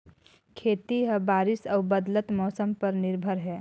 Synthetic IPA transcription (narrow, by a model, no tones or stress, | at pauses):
kʰeːt̪iɦəbaːɾɪsəːbəd̪lət̪mɔːsəmpəɾnɪɾbʱəɾɦɛː